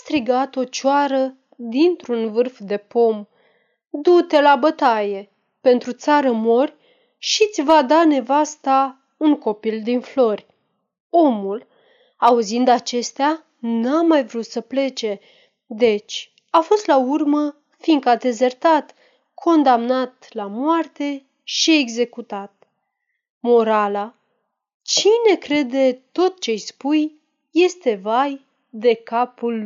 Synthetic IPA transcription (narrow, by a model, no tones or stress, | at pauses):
ast̪ɾiɡat̪o̞t͡ʃaɾə | d̪int̪ɾunvɨrfd̪e̞po̞m | d̪ut̪e̞labət̪aje̞ | pe̞nt̪ɾut̪saɾəmo̞rʲ | ʃit̪sʲvad̪ane̞vast̪a | uŋko̞pild̪inflo̞rʲ | o̞mul | auzind̪at͡ʃe̞st̪ea | namajvɾut̪səple̞t͡ʃe̞ | d̪e̞t͡ʃʲ | afo̞st̪laurmə | fiŋkad̪e̞zert̪at̪ | kʰo̞nd̪amnat̪lamoart̪e̞ | ʃie̞ɡze̞kut̪at̪̚ | mo̞ɾala | t͡ʃine̞kɾe̞d̪e̞t̪o̞t̪̚t͡ʃe̞jspujː | e̞st̪e̞vaj | d̪e̞kapul